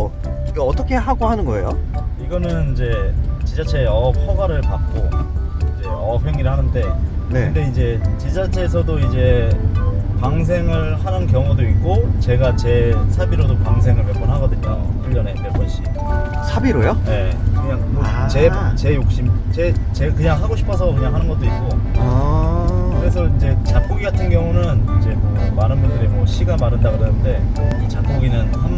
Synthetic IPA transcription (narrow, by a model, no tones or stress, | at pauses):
iɡaʌt͈ʌkʰe̞ɦaɡoɦanɯnɡʌḛjoiɡʌnɯnid͡ʑe̞t͡ɕid͡ʑat͡ɕʰe̞ʌpʰʌɡaɾɯɭpak̚k͈oid͡ʑe̞ʌɸweŋiɾɯɭhanɯnde̞kneɯnde̞id͡ʑe̞t͡ɕid͡ʑat͡ɕʰe̞s̬ʰʌdoid͡ʑe̞ | paŋs̬ʰe̞ŋɯɭhanɯnkjʌŋodoik̚k͈ot͡ɕe̞ɡat͡ɕe̞sʰabiɾodopaŋs̬ʰe̞ŋɯɭpek͈onɦaɡʌdeɲda̰jo̰pɯʎːʌne̞idepʌnɕ͈i | sʰabiɾojoje̞kɯɲaŋt͡ɕe̞t͡ɕe̞jok̚ɕ͈imt͡ɕe̞t͡ɕeakɯɲaŋɦaɡoɕʰi̥pʰʌs̬ʰʌkɯɲaŋɦanɯnɡʌt͈̚oik͈̚o | kɯɾe̞sʰʌind͡ʑe̞t͡ɕak̚p͈oɡiɡatʰɯnɡjʌŋunɯnid͡ʑe̞momaɾɯnbundɯɾimwʌɕʰiɡamaɾɯndaɡodenɯnde̞it͡ɕak̚p͈oɡinɯnham